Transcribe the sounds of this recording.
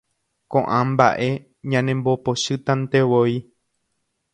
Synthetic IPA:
kõʔãmba̰ʔe̞ | ɲãnẽmbopoʃɨt̪ãnt̪eʋoj

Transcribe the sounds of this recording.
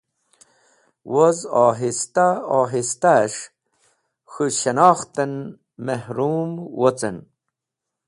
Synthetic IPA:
wozɑːɦist̪aɑːɦist̪aʂ | xuɕɐnɑːxt̪ɐn | mehɾuːmwot͡sen

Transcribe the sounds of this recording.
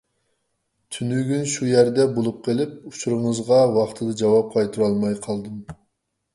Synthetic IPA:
t̪ʰynyɡʲynʃujæɾd̪ɛbolˠup̚qʰelɪp̚ut͡ʃʰuɾɨŋəzʁɑwɑχt̪ʰɨd̪ɨd͡ʒɑwɑp̚qʰɑjt̪ʰuɾɑlˠmɑjqʰɑlˠd̪ɨm

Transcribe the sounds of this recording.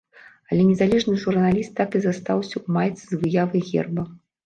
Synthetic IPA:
ɐlʲɛnʲɛzalʲɛʐnɨʐurnalʲist̪ːakɨzast̪awsʲɐumajt̪sɨzvɨjavɨjɣʲɛ̰rbɐ

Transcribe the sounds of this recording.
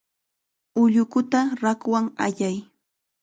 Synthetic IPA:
ʊʎʊkʊt̪aɾakwaŋaʎaj

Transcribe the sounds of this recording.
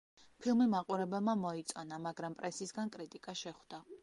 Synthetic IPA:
pʰilˠmimaqʼuɾɛbɛlˠmamɔit̪sʼɔnamaɡɾampʼɾɛsisɡankʼɾit̪ʼikʼaʃɛχd̪a

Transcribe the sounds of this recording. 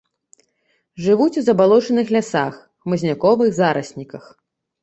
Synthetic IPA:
ʐɨvut͡sʲuzɐbalˠɔt͡ʂɐnɨxlʲasax | mɨzʲnʲakɔvɨɣzaɾɐsʲnʲikɐx

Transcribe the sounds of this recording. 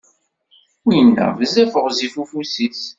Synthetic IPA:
ujənːə̰ʁvəzæfəʁzifufusiθ

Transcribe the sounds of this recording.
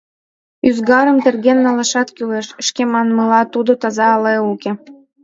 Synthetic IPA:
yzɡɑɾə̆mt̪erɣenːɑlɑʃɑt̪kyleʃəʃkemɑnmɤlɑt̪ud̪ot̪ɑzɑːleuke

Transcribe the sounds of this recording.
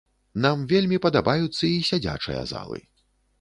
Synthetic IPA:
namvʲelʲmʲipɐd̪abajut̪sːɐisʲad͡zʲa̰t͡ʂɨ̰jɐ̰za̰lˠɨ̰

